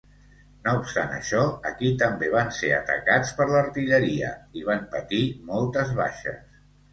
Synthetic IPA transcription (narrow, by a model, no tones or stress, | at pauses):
noupst̪a̰nə̰ʃɔəkit̪əmbeβ̞anseə̰t̪ə̰kat͡spəɾləɾt̪iʎəɾiə̰iβ̞ampət̪imɔlˠt̪əzβa̰ʃə̰s